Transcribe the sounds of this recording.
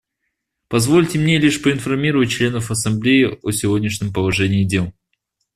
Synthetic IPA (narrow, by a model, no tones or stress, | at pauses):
pɐzvo̞lʲtʲɪmnʲe̞lʲiʂpəɪnfɐrmʲiɾəvət̚ʲt͡ɕlʲe̞nəfɐsɐmblʲejɪosʲɪvodʲnʲɪʂnʲɪmpəlˠɐʐɛnʲɪːdʲelˠ